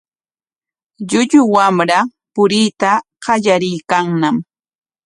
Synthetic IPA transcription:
ʎʊʎʊwamɾapʊɾɪːt̪a | ɢɑʎaɾɪjkaŋnam

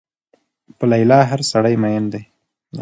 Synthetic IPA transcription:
pəlajlɑɦaɾsaɽajmajənd̪aj

